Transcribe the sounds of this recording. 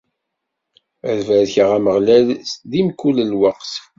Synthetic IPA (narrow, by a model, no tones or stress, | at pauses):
æðvæðçəʁæməʁlælðimkːuləlwəqs